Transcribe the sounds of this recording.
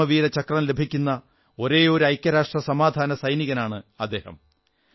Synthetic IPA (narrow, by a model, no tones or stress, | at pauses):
ɐʋiːɾɐt͡ɕɐkrɐmle̞bʱikʲːunːɐ | o̞ɾe̞ːo̞ɾuɐjkʲːɐɾaːʂʈrɐsɐmaːd̪ʱaːnɐsɐjniɣɐnaːɳɨɐd̪ːe̞ːhɐ̰m